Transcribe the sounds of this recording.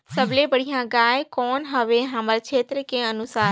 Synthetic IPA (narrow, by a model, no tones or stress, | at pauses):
səʋlebəɽijãɡaːjkɔːnɦəʋeɦãməɾt͡ʃʰeːt̪ɾəkẽənʊsaːɾ